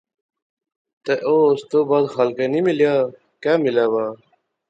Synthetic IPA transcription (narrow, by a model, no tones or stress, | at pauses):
t̪eʔoːst̪obaːd̪xalkenimilja | kaːmilaːwaː